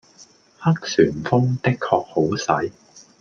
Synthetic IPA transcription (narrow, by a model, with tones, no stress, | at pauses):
hɐ˥k̚syː˨˩nfʊ˥ŋt̪ɪ˥kʰːɔː˧k̚ho˨˥wsɐ˨˥j